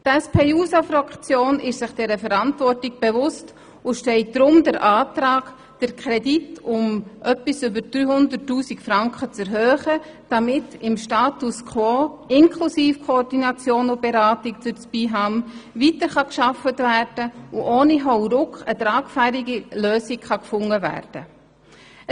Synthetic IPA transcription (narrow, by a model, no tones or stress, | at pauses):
tɛspʰeːuːsafɾakt͡sjoːnɪʃsɪχd̥ɛɾəfɛɾɑntvɔrtɪk̚b̥evʊst | ʊʃtɛɪt̚d̥ɾʊmdəɾʔaːtɾaːɡ | d̥əɾkʰɾɛditʊmʔœpisʏbəd̥ɾyːhʊndətːuːsikfɾɑŋkχət͡sɛɾɦøːχə | d̥ɑmɪtɪmʃtaːtuskʰχwoːɪnkʰlusiːfkʰoɔrdinɑt͡sjoːnʊb̥eɾaːtɪkt͡sʊt͡spiɦɑmvitəɾχɑkʃɑfətværd̥əʊʔoːniɦɔʊɾʊkχətɾaːkfæɾiɡiløːsikχɑkfʊŋːəvæ̰ːrd̥ə